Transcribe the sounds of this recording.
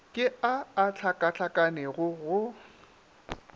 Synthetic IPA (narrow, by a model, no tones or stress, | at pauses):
kʼɪaːt͡ɬʰakʼat͡ɬʰakʼanɛɣʊɣʊ